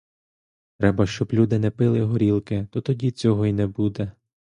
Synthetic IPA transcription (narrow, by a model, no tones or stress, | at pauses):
t̪ɾɛbɐʃt͡ʃɔblʲud̪ɪnɛpɪlˠɪɦɔɾʲilˠkɪt̪ɔt̪ɔdʲit͡sʲɔɦɔinɛbud̪ɛ